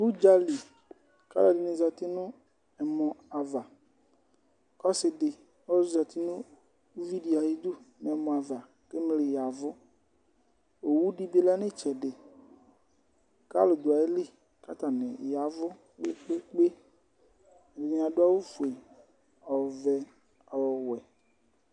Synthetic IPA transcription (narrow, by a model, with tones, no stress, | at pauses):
bu˦d͡ʒa˦li˨ | ka̰˦la˨dɪ˨nɪ̃˨za˨t̪ɪ˦nʊ̃˦ | ɛ˨mɔ̃˨a˨va˨ | kɔ˦sɪ˨ɖɪ˨ | wɔ˦zʊ˦za˨t̪i˦nʊ̃˦ | vi˦di˨a˨ji˦d̪u˦nɛ̃˨mɔ̃˨a˨va˨ | ke˦me˦lɪ˨ja˨vʊ˦ | o˨wu˦ɖi˦be˦la˦nɪ̃˦t͡ʃɛ˨ɖɪ˨ | ka̰˦lʊ˨d̪ʊ˨a˨e˦li˦ | ka˦t̪a˨nɪ̰̃˨ja˨vʊ˦ | k͡pe˦k͡pe˦k͡pe˦˨ | dɪ˨ɲĩ˨a˨ɖʊ˦a˦wo˦fu˨e˨ | ɔ˨vɛ˨ | a˨wɔ˨wɛ˨